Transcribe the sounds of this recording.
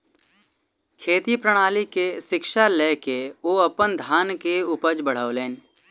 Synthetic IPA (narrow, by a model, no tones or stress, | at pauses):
kʰeːt̪ipɾəɽ̃aːlikesɪkʃalɛːkeoːɐpənd̪ʱaːnkeuːpəd͡ʒbəɽ̤aːoleːn